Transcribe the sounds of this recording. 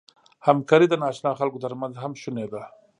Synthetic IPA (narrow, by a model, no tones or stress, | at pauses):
hamkɑɾid̪ənɑʃnɑxalkot̪əɾmanzɦamʃuned̪a